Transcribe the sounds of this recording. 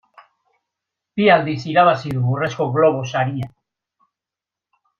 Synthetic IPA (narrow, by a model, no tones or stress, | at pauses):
piald̪isiɾaβ̞asiðuβureskoɣlo̞β̞osaɾia